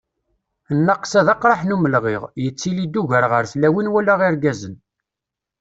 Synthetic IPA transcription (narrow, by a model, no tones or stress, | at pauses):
ənːɑqsæðɑqɾˤɑħnuməlʁɪʁjət͡sːilid̪ːuʝəɾʁəɾθlæwinwælaʁiɾɡæzən